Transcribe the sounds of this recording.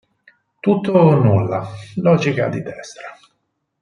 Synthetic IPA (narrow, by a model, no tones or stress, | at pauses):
t̪ut̪ːonulːalɔːd͡ʒika̰d̪id̪ɛst̪ɾa